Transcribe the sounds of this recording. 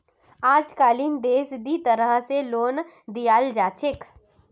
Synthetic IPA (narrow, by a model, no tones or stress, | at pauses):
aːd͡ʒkaːliːnd̪eːsd̪it̪əɾəɦseloːn | d̪ijaːld͡ʒaːt͡ʃʰek